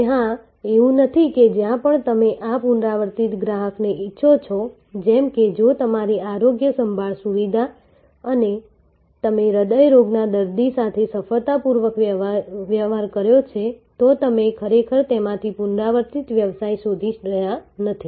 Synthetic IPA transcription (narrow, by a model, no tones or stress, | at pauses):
ɦã | eũnət̪ʰiked͡ʒjãpəɳt̪əmeʔapunɾaʋəɾt̪it̪ɡɾaɦəkneʔitːʃʰot͡ʃʰɔ | d͡ʒɛmked͡ʒot̪əmaɾiaɾoɡjəsəmbʱaɭsuʋid̪ʱa | əne | t̪əmeɾəd̪əjɾoɡnad̪əɾd̪isat̪ʰesəfəɭt̪apuɾʋəkʋjəʋaɾkəɾjot͡ʃʰet̪ot̪əmekʰəɾekʰəɾt̪emãt̪ʰipunɾaʋəɾt̪it̪ʋjəʋsajsod̪ʱiʃɾəjanət̪ʰi